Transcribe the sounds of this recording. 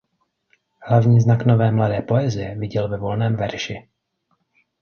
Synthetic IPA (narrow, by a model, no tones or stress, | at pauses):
hlavɲiːznakno̞vɛːmladɛːpo̞ɛzɪjɛvɪɟɛlvɛvo̞lnɛːmvɛɾʃɪ